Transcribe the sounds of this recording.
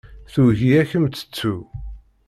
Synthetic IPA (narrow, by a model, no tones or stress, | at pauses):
θuʝiæçəmt͡sːə̥t͡sːu